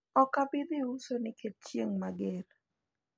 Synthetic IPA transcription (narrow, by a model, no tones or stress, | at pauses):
ɔkabɪd̪ɪusonɪkʰet̚t͡ʃjeŋmaɡeɾ